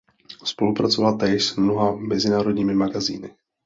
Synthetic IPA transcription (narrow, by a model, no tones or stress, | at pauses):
spo̞lupɾat͡sovalt̪ajʃsmnoɦamɛzɪnaːɾodɲiːmɪmaɡazḭːnɪ